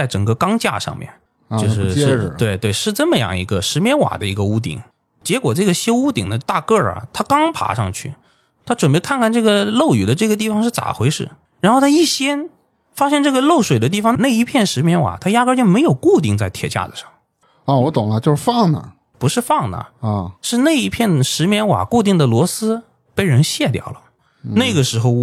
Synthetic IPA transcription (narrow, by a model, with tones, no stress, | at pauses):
t͡sa˥˩ɪʈ͡ʂə˨˩ŋɡə˧kɑ˥ŋt͡ɕja̰˥˧ʂɑ̰˥˧ŋmjɛ̰˥˩n | t͡ɕjʂɻ̩˥˧˥we˥˧ɪt̪we˥˩ɪʂɻ̩˥˧ʈ͡ʂɤ˥˩mə˩jɑ̰˥˩ŋḭ˧˥ɡə˧ʂɻ̩˧˥mjɛ˧˥nwa̰˨˩d̪ə˦i˧˥ɡə˧u˥t̪̬ḭ˨˩˦ŋ | t͡ɕjɛ˧˥kwɔ˨˩ʈ͡ʂɤ˥˩ɡə˩ɕjo˥ʊu˥t̪i˨˩ŋd̪ə˦t̪a̰˥˧kɤ˥˩ɐ̰˨˩t̪ʰa˥kɑ˥ŋpʰa̰˧˥ʂɑ̰˥˧ŋt͡ɕʰy̰˥˩ | t̪ʰa˥ʈ͡ʂwə˨˩npe˥ɪkʰa˥˧nkʰa˥˩nʈ͡ʂɤ˥˩ɡə˩lo˥˩ʊy˨˩d̪ə˦ʈ͡ʂɤ˥˩ɡə˩t̪̬i˥˩fɑ˧ŋʂɻ̩˥˩t͡sa̰˨˩xwe˧˥ɪʂɻ̩˥˩ | ɻa˧˥nxo˥˧ʊt̪ʰa˥i˥˩ɕjɛ˥n | fa˥ɕjɛ˥˧nʈ͡ʂɤ˥˩ɡə˩lo˥˩ʊʂwe˨˩ɪd̪ə˦t̪i˥˩fɑ˧˥ŋna˥˩ɪi˧˥pʰjɛ˥˩nʂɻ̩˧˥mjɛ˧˥nwa̰˨˩t̪ʰa˥ja˥kə˥t͡ɕjo˥˩ʊme˧˥ɪjo˨˩ʊku˥˧t̪i˥˧ŋt͡sa˥˩ɪt̪ʰjɛ̰˧˥˩t͡ɕja̰˥˩d͡zə˨˩ʂɑ̰˥˩ŋ | ə˧˩wɔ˧˥t̪ʊ˨˩ŋlə˦t͡ɕjo˥˧ʂɻ̩˧fɑ˥˩ŋnə̰˩ | pu˧˥ʂɻ̩˥˧fɑ˥˩ŋnə̰˩˥˩ʂɻ̩˥˧na˥˩ɪi˧˥˩pʰjɛ˥˩nʂɻ̩˧˥mjɛ˧˥nwa̰˨˩ku˥˧t̪̬i˥˩ŋd̪ə˩lwɔ˧˥sɹ̩˥ | pe˥˩ɪɻə˧˥nɕjɛ˥˩t̪jɑ̰˨˩ʊlə˦ | na˥˩ɪɡə˩ʂɻ̩˧˥xo˧ʊ